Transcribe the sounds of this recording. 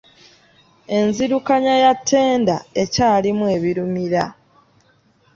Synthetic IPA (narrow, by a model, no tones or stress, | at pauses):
e̞nziɾukaɲajatʰːe̞ːnda̰e̞caːlimwe̞ːβiɾumiɾa